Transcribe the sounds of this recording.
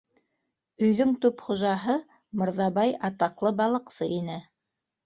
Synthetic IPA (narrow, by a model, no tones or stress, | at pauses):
ɵ̆jðɵŋt̪ʉpχŏʒɑɦɤ | mŏɾðɑβɑjɑt̪ɑqlˠɤbɑlˠɤ̆qsɤinɘ